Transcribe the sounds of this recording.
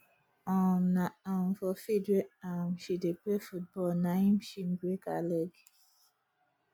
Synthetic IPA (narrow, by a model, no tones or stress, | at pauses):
ɔ̃mnaamfɔfedɹeãmʃideplefut̚bɔlnaĩmʃimɡɹekalɛɡ